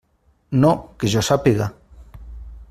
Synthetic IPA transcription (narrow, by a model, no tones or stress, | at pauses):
nokeʒosapiɣa